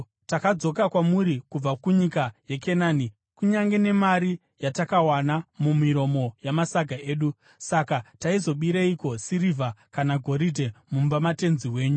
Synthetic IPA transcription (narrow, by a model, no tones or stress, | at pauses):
takad͡zo̞kakwamuɾikub͡vakuɲikajeke̞naːni | kuɲaŋɡe̞ne̞maɾi | jatakawanamumiɾo̞mo̞jamasaɡʱae̞ːɗu | sakataizo̞ɓiɾeiko̞sirivakanaɡʱo̞ɾidʱe̞mumbamate̞nziwe̞ːɲu